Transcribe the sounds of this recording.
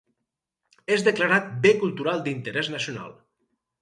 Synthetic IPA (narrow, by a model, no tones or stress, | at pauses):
ezðəklaɾat̪̚bekulˠt̪uɾalˠd̪int̪əɾɛznəsjuna̰lˠ